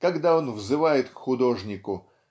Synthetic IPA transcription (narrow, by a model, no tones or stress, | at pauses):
kɐɡd̪aonvzɨvajɪt̪kxʊd̪o̞ʐnʲɪkʊ